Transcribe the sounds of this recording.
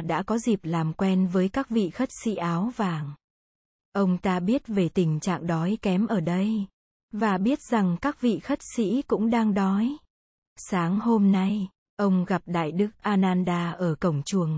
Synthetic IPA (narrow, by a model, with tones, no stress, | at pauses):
ɗa̰ː˧˥kɔ˨˦zi˨˩p̚laː˨˩mkwɛ˧nvəː˨˦jkaː˦˥k̚vḭ˧˨xə˦˥t̚sḭ˧˥ʔaː˨˦wvaː˨˩ŋ | ʔə˧wŋ͡mt̪aː˧ɓi˦˥ət̚ve˨˩t̪ï˨˩ŋ̟t͡ɕa̰ː˧˨ŋɗɔ˨˦jkɛ˨˦mʔəː˧˩ɗə˧j | vaː˨˩ɓi˦˥ət̚za˨˩ŋkaː˦˥k̚vḭ˧˨xə˦˥t̚sḭ˧˥kʊ̰˧˥ŋ͡mɗaː˧ŋɗɔ˨˦j | saː˨˦ŋho˧mna˧j | ʔə˧wŋ͡mɣa˨˩p̚ɗa̰ː˧˨jɗɨ˦˥ək̚ʔaː˧naː˧nɗaː˧ʔəː˧˩kə˧˩wŋ͡mt͡ɕu˨˩əŋ